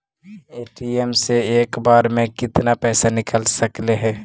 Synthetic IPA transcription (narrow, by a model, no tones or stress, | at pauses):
eːʈiɛmseeːkbaːɾmẽkɪt̪napɛːsanɪkəlsəkleɦɛː